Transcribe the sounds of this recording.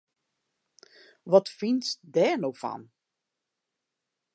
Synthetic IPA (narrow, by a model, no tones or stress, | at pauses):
ʋɔtfinsdɛːnowfɔ̰n